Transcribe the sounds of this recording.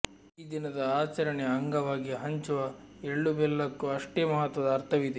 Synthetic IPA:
iːd̪inɐd̪ɐaːt͡ʃɐɾɐɳeɐŋɡɐʋaːɡiɦɐɲt͡ʃuʋɐ | eɭːubɛlːɐkːuɐʂʈeːmɐɦɐt̪ʋɐd̪ɐːɾt̪ʰɐʋid̪e

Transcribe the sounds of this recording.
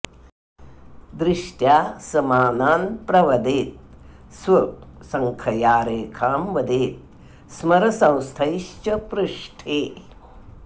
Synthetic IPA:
d̪ɾɪʂʈjaːsɐmaːnaːnpɾɐʋɐd̪eːt̪̚ | sʋɐsɐŋkʰɐjaːɾeːkʰaːmʋɐd̪eːt̪̚ | smɐɾɐsɐ̃w̃st̪ʰɐjʃt͡ʃɐpɾɨʂʈʰeː

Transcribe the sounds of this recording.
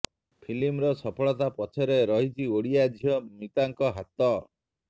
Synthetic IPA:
pʰilimɾɔsɔpʰɔɭɔt̪apɔt͡ʃʰɔɾeɾɔɦit͡ʃʰioɽiad͡ʒʱijɔmit̪aŋkɔɦat̪ɔ

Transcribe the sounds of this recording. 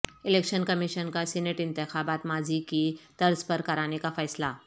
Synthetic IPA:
ɪleːkʃənkɐmiʃənkasɛneʈɪ̃nt̪ɪxaːbaːt̪maːzikit̪ɐɾzpɐɾkɐɾaːnekafɛːslaː

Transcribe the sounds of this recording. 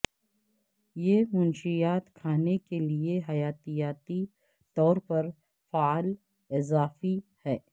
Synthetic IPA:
jeːmʊ̃nʃijaːt̪kʰaːnekelieɦɐjaːt̪ijaːt̪i | t̪ɔːɾpɐɾ | faːl | ɪzaːfihɛː

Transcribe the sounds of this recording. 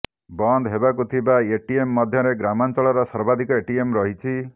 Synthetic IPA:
bɔnd̪ɦebakut̪ʰibaeʈiemːɔd̪ʱjɔɾeɡɾamant͡ʃɔɭɔɾɔsɔɾbad̪ʱikɔeʈiemɾɔɦit͡ʃʰi

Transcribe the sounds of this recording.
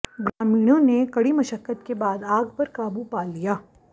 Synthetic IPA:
ɡɾaːmiːɽ̃õnekɐɽimɐʃəkːət̪kebaːd̪aːɡpɐɾkaːbupaːlijaː

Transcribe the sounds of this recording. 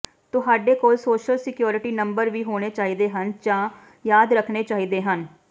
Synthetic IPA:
t̪ʊɦaːɖeːkoːlsoːʃəlsɪkjoːɾɪʈiːnəmbəɾʋiːɦoːɽ̃eːt͡ʃaːɦiːd̪eːɦənd͡ʒãː | jaːd̪ɾəkʰneːt͡ʃaːɦiːd̪eːɦən

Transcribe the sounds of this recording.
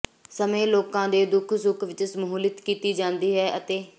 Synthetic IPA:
səmẽːloːkãːd̪eːd̪ʊkʰsʊkʰʋɪt͡ʃsəmɦoːlɪt̪kiːt̪iːd͡ʒãːnd̪iːɦɛːʔət̪eː

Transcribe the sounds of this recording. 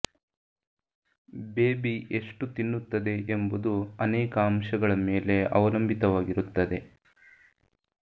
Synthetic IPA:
beːbiʔeʂʈut̪inːut̪ːɐd̪e̞embud̪uɐnɛːkɐɐmʃɐɡɐɭɐmeːle̞ɐ̰ʋɐlɐmbʱit̪ɐʋaːɡiɾut̪ːɐd̪e̞

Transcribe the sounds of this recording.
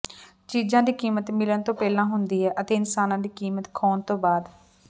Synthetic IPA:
t͡ʃiːzãːd̪iːkiːmət̪mɪlənt̪õːpɛːlãːɦʊnd̪iːɦɛːʔət̪eːɪnsaːnãːd̪iːkiːmət̪kʰoːnt̪õːbaːd̪

